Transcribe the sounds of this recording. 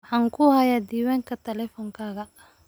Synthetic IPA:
ħɑːŋkʰʊhɐjaːd̪iːwaːŋkʰɐt̪ʰɛlɛfɔːŋkʰaːɣɐ

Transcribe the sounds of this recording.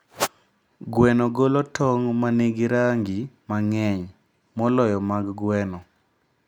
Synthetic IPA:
ɡwɛnoɡolɔtʰɔŋmaneɡiɾaŋɡimaŋɛɲ | mɔlɔjɔmaɡɡwɛnɔ

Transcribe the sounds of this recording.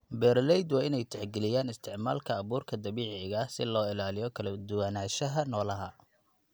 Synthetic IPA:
bɛːrlɛjd̪wɑːɪnɛjt̪ʰɛħɡɛlɪjaːnɪst̪ʰɪʕma̰ːlkʰɐːβuːrkʰɐd̪ɐβiːʕɪɣɐsɪlɔːɪlaːlɪjɔkʰɐlɐd̪ʊwɐnaːʃɐɦɐnɔːlɐɦɐ̰

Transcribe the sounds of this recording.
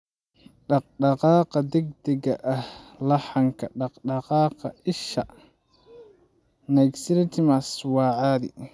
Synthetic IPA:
ɖɑq̚ɖɑqɑːqɑd̪ɛɡ̚d̪ɛɡɐʔɐhlɑħɑŋkʰɐɖɑqɖɑqɑːqɑ̰ʔɪʃɐ̰ | naksɪɾɪt̪ʰɪmɐswɑːʕaːdḭ

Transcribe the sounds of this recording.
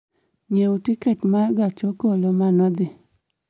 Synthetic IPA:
ɲeutiketmaɡat͡ʃokolomanɔd̪ɪ

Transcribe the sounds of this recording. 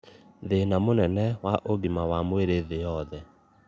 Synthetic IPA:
ðenamonɛnɛwaʔoɡimawamweɾeðeɔðɛ

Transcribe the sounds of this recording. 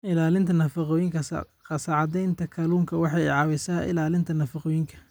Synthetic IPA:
ɪlaːlɪnt̪ʰɐnɐfɐqɔːjɪŋkʰɐs | qɑsɑʕɑd̪ɛjnt̪ʰɐkʰɐluːŋkʰɐwɑħɑjʕɑwɛsaːʔɪ̰laːlɪnt̪ʰɐnɐfɑqɔːjɪŋkʰɐ̥

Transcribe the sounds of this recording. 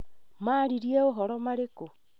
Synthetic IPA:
maɾiɾjeoɦɔɾɔmaɾeko

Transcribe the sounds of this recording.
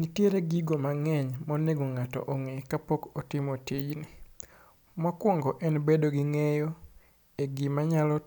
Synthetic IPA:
nitjeɾeɡiɡomaŋɛɲmɔneɡoŋatɔ̰ʔoŋekapokotɪmɔtid͡ʒnɪ | mɔkwɔŋɡɔʔɛnbedoɡɪŋejɔ | eɡimaɲalɔ

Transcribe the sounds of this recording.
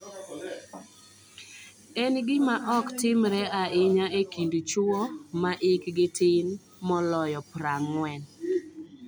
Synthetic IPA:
ɛnɡɪmaʔɔktɪmɾɛaɪɲaʔekindut͡ʃɔmaʔɪkɡɪtɪn | mɔlɔjɔpɾaŋwɛn

